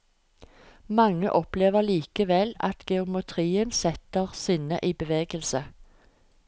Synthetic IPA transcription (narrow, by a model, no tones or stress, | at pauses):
mɑŋə̰ʔɔpleːʋəʁliːkəʋɛlɑ̰t̪ɡɛʊmət̪ʰʁiːənsɛt̪əʁsʏnə̰ʔiːbəʋeːɡəlsə